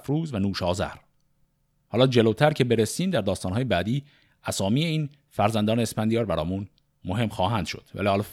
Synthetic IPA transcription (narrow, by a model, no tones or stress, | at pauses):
fɾuːzvænuːʃɒːzæ̰ɾ | hɒːlɒːd͡ʒelowt̪ʰæɾcʰe̞be̞ɾesiːmd̪æɾd̪ɒːst̪ɒːnɦɒːjebæːd̪iː | æsɒːmiːe̞iːn | fæɾzænd̪ɒːneespænd̪ijɒːɾbæɾɒ̰ːmun | mo̞ɦe̞mxɒːɦæːnd̪̥ʃo̞̰d̪̥væ̰lihɒːlː